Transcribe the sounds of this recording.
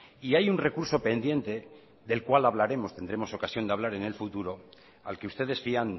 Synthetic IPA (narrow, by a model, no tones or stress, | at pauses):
iajunre̞kuɾso̞pe̞nd̪jẽ̞nt̪e̞ | ðe̞lkwalaβlaɾe̞mo̞st̪e̞nd̪ɾemo̞so̞kasjo̞nd̪eaβ̞laɾe̞ne̞lfut̪uɾo̞ | a̰lke̞ust̪e̞ð̞e̞sfian